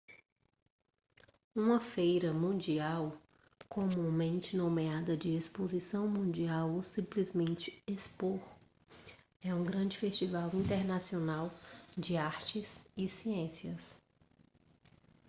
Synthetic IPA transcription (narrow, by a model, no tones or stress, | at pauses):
ũmɐfejɾɐmũd͡ʒiaw | kʰõmũmẽnt͡ʃɪnõmead̪ɐd͡ʒɪespozisɐ̃w̃mũd͡ʒiawosĩplizmẽnt͡ʃɪ̥espoɾ | ɛũɡɾɐ̃d͡ʒɪfest͡ʃivawĩnt̪eɾnasionawd͡ʒɪaɾt͡ʃɪsɪsiẽsiɐs